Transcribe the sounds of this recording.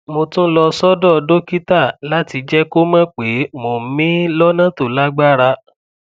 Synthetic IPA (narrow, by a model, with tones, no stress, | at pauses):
mo˧tũ˦lɔ˧sɔ˦dɔ˦˨˧do˦ki˦ta˦˨la˦ti˧d͡ʒɛ˦ko˦mã˦k͡pe˨˦mo˨˦mĩ˦lɔ˦nã˦˨to˨la˦ɡ͡ba˦˨ɾa˧